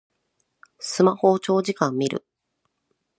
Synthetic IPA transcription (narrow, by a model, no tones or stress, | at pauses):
sɨmaho̞t͡ɕo̞ːʑikãmːʲiɾɯ̟̰